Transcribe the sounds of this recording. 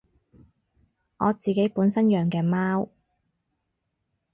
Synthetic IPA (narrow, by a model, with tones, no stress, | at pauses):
ŋɔ̰ː˨˧t͡siː˨ke˨˥jpuː˨˥nsɐ˥njœː˨ŋkɛː˧maː˥w